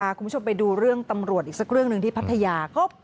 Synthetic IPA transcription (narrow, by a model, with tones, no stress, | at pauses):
ʔaː˧˩kʰuː˧˦˥t͡ɕʰo˧mpa˧jduː˧ɾɯ˥˩əŋt̪a˧mɾu˨˩ət̪̚ʔiː˨˩ksa˦˥k̚ɾɯ˥˩əŋnɯ˨˩ŋt̪ʰiː˥˩pʰt̪ʰːa˧jaː˧kɔː˥˩